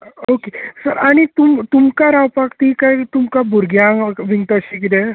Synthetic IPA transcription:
okesəɾaɽ̃it̪umt̪umkaɾawpakt̪ikait̪umkabʱuɾɡjãʋiŋɡt̪əɕikid̪ɛ̃

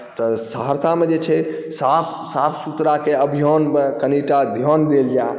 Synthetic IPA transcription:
t̪ɔsəɦəɾt̪ʰamed͡ʒet͡ʃʰɛsapʰ | sapʰsut̪ɾakeəbʱijɔnekəniʈad̪ʱjɔnd̪eld͡ʒa

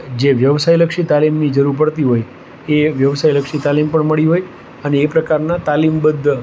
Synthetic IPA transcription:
d͡ʒeʋjəʋsajləkʃit̪alimnid͡ʒəɾuɾpəɽt̪iɦoj | eʋjəʋsajləkʃit̪alimpəɳməɭiɦoj | əneːpɾəkaɾnat̪alimbəd̪ʱ

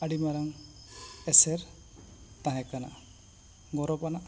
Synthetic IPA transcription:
aɽimaɾaŋ | ɛsɛɾ | t̪ãɦɛ̃kana̰ | ɡɔɾɔpanaʔ

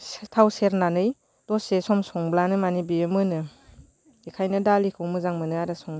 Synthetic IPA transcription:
stʰawseɾnanɯj | dɔsesɔmsɔŋblanɯmanibiɯmɯnɯ | ikʰajnɯdalikʰɯwmɯzaŋmɯnɯaɾɯsɔŋ

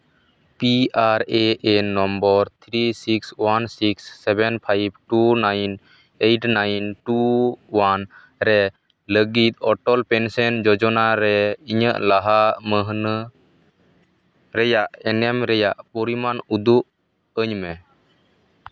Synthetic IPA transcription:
piaɾeenɔmbɔɾt̪ʰɾisikswansiksːɛbɛnpʰajb̚ʈunajn | ejʈnajnʈuwan | ɾɛ | ləɡit̪̚ˀɔʈɔlpɛnsɛnd͡ʒɔd͡ʒɔnaɾɛiɲəʔlaɦaməɦnə | ɾɛjaʔɛnɛmɾɛjaʔpɔɾimanud̪uʔ | əɲmɛ

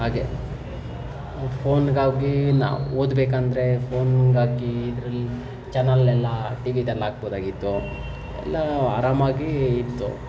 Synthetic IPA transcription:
ɦaːɡe | pʰoːnɡaːɡina̰ːoːd̪beːkɐnd̪ɐɾepʰoːnɡaːɡiːd̪ɾɐlːi | t͡ʃɛnɐlɛlːɐʈiʋit̪ɛlːaːɡboːd̪aːɡit̪ːu | ɛ̰lːɐaːɾaːmaːɡiːt̪ːṵ

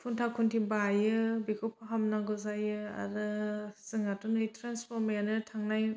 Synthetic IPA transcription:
pʰuntʰakʰuntʰibajɯbikʰɔpʰaɦamnaɡɯzajɯa̰ɾɯsɯŋatunɯjtʰɾanspʰɔɾmejanɯtʰaŋnaj

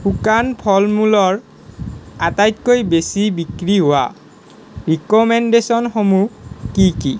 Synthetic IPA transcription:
hukanpʰɔlmulɔɹ | atajtkojbesibikɹiɦʊwa̰ | ɹikɔmɛndesɔnxomukiki

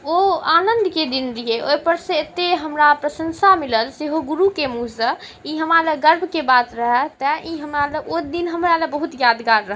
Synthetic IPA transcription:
oanənd̪ʱked̪ind̪iɦeʔojpəɾsə̃et̪eɦəmɾapɾəsənsamiləlseɦoɡuɾukemusə̃ | iɦəmɾaləɡəɾbʱkebat̪ɾəɦɛt̪əʔiɦəmɾaləoid̪inɦəmɾalebəɦut̪jad̪ɡaɾːəɦ

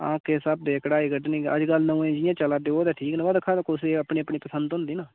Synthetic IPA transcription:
ã̰ːkeːsəb̚d̪eːkəɽaːiːɡəɖnĩːə̰d͡ʒɡəlnəũːẽːd͡ʒɪjãːt͡ʃəlaːd̪eːoːd̪ɛːʈʰiːkñːʋaːd̪əkʰaːd̪koseəpɳeːəpɳiːpəsənd̪ɦʊ̃nd̪iːnãː

